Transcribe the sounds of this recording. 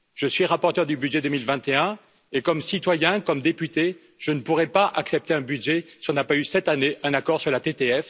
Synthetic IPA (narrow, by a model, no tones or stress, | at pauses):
ʒ̥əsɥiʁapɔʁt̪œʁd̪ybyd̪ʒɛd̪əmilvɛ̃t̪eɛ̃ | ekɔmsit̪wajɛ̃kɔmd̪epyt̪e | ʒ̥ənəpuʁɛpaʔaksɛp̚t̪eɛ̃bydʒesi̥ɔ̃napaysɛt̪aneʔɛ̃nakɔʁsyʁlat̪et̪eɛf